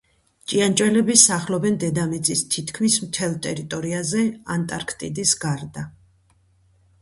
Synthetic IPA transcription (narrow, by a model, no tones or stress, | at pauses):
t͡ʃʼiant͡ʃʼwɛlɛbisaχlɔbɛnd̪ɛd̪amit̪sʼist̪ʰit̪ʰkʰmismt̪ʰɛlˠt̪ʼɛɾit̪ʼɔɾiazɛant̪ʼaɾkʰt̪ʼḭd̪isɡaɾd̪a